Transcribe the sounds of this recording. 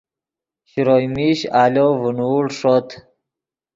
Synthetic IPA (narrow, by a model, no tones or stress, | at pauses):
ɕiɾojmiɕaːlovunuːlʂot̪ʰ